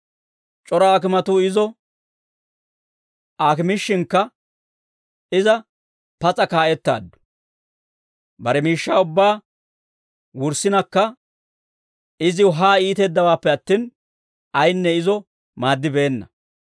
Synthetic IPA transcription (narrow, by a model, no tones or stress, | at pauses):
t͡ʃʼɔɾaːk̬ɪmɐt̪uːɪzɔ | aːkɪmɪʃːɪŋkːɐ | ɪzɐ | pɐt͡sʼɐkaːʔɛt̪ːa̰ːd̪ːʊ̥ | bɐɾɛmiːʃːaːʊbːaː | wʊɾsɪnɐkːɐ | ɪzɪʊɦaːiːt̪ɛːd̪ːɐwaːpːɛɐt̪ːiːn | ɐjnːɛɪzɔ | maːd̪ːɪbe̞ːnːɐ̰